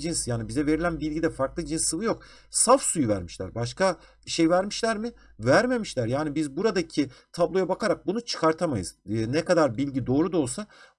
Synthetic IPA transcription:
d͡ʒinsjaːnibizɛve̞ɾilʲænbilʲɟid̪ɛfaɾklˠɯd͡ʒinsːɯvɯjo̞k̚ | safsujuvæ̰ɾmiʃlʲæ̰ɾbaʃka | ʃe̞jvæɾmiʃlʲæɾmɪ | væɾme̞miʃlʲæɾjaːnibizbuɾad̪acʰit̪ʰablˠo̞jabakʰaɾak̚bunut͡ʃʰɯ̥kʰaɾt̪ʰamajɯ̰zːnɛkad̪aɾbilʲɟid̪o̞ːɾud̪o̞lˠsa

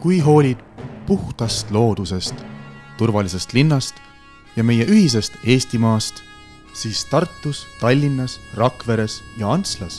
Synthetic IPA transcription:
kujɦo̞ːlʲid̪̥̚puht̪ɑst̪lo̞ːd̪̥use̞st̪ːurvɑlise̞st̪linːɑst̪ | jɑme̞je̞ʔyhis̬e̞st̪e̞ːst̪imɑːst̪ | siːst̪ɑrt̪ːust̪ɑlʲːinːɑsrɑkˑve̞ɾe̞sjɑɑnt̪slɑs

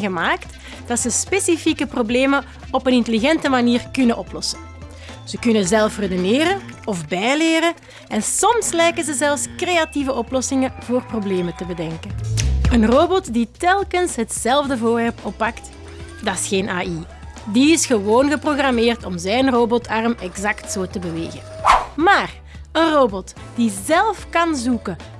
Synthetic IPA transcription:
ɣəmaːkt | d̥ɑtsəspesifikəprobleːmə | ɔpənɪntəliɣɛntəmaniːrkʏnənʔɔplɔsən | z̥əkʏnənzɛlˠfrədəneːɾənɔvbɛjleːɾə | ɛnsɔmslɛjkənzəzɛlˠfskreːativəʔɔplɔsɪŋəvoːrprobleːmətəbədɛŋkənənroːbɔtditɛlˠkənsɦətsɛlˠvdəvoːrʋɛrpɔpːɑkt | dɑɪsxeːnʔaːi | diɪsxəʋoːnɣəproɣrameːrtɔmzɛjnrobɔtʰɑrmɛɡzɑktsoːtəbəʋḛːɣə̰nmaːr | ənroːbɔt | d̥izɛlˠfkɑnzukə

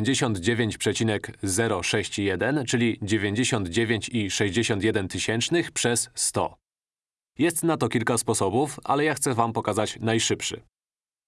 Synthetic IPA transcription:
ɲd͡ʑeɕɔnd̪d͡ʑevʲjeɲt͡ɕpʂɛt͡ɕinɛkzɛɾɔʂɛɕt͡ɕijɛd̪ɛnt͡ʂɘlʲid͡ʑevʲjeɲd͡ʑeɕɔnd̪d͡ʑevʲjeɲt͡ɕiʂɛʑd͡ʑeɕɔnt̪jɛd̪ɛnt̪ɘɕɛnt͡ʂnɘxpʂɛsːt̪ɔ̰ | jɛst̪nat̪ɔkʲilkaspɔsɔbufa̰lɛjaxt̪sɛvampɔkazat͡ɕnajʂɘpʂɘ̰

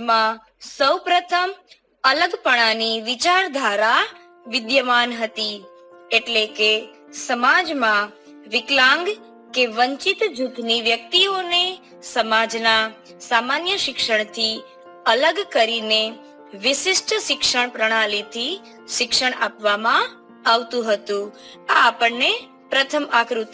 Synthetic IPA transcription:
mã | səwpɾət̪ʰəm | ələɡpəɽ̃aniʋɪt͡ʃaɾd̪ʱaɾa | ʋɪd̪jəmanɦət̪i | eʈleke | səmad͡ʒmã | ʋɪklãŋɡ | keʋə̃ɲt͡ʃɪt̪d͡ʒut̪niʋjək̚t̪ione | səmad͡ʒna | samanjəʃɪkʃəɳ̃t̪ʰi | ələɡkəɾine | ʋɪʃɪsʈʰʃɪkʃəɳ̃pɾəɽ̃alit̪ʰi | ʃɪkʃəɽ̃apʋamã | aʋt̪ũɦət̪ũ | aːpəɳne | pɾət̪ʰəmakɾut̪

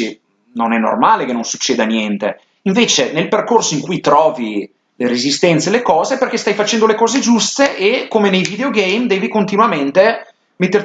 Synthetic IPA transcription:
i | nonɛnːo̰rmaːlekenːõnsut͡ʃːeːd̪anjɛnt̪e | iɱveːt͡ʃenelperkorsoiŋkujt̪ɾɔːvi | leɾezist̪ɛnt̪selekɔːzeperkest̪ajfat͡ʃɛnd̪olekɔːzed͡ʒust̪eʔekːomenejvid̪eoɡɛjmd̪ɛːvikont̪inwament̪e | met̪ːer

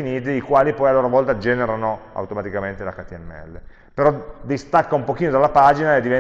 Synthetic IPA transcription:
iniːt̪iːkwaːlipɔjalːoːɾovɔlt̪ad͡ʒɛːneɾanoa̰wt̪omat̪ikament̪ela̰kat̪iɛmːɛ̰lːe | peɾɔd̪ist̪akːaumpok̟iːnod̪alːapaːd͡ʒinaed̪ivɛ

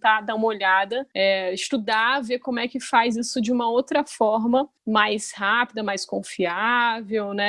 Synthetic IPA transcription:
t̪ad̪ãũmɐoʎad̪ɐɛiʃt̪ud̪avekõmʊɛkɪfajzisʊd͡ʒɪũmɐowt̪ɾɐfɔɾmɐmajshapid̪ɐmajskõfiavewnɛ

